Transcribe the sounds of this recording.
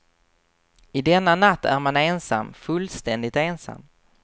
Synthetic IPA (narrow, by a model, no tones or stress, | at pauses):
ɪd̪ɛnːanat̪ːæ̰ɾmaneːnsa̰mːfɵlst̪ɛnd̪ɪt̪eːnsa̰mː